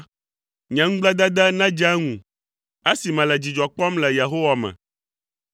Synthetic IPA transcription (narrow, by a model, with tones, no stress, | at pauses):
ɲɛ̃˨ŋũ˦ɡ͡blɛ˦d̪a˦d̪a˦nã˦d͡ʒa˦ŋũ˨ | e˦si˨mɛ̃˨lɛ˨d͡ʑi˨d͡ʒɔ˨k͡pɔ˦mlɛ˨je˨ɦo˦wa˨mɛ̰̃˨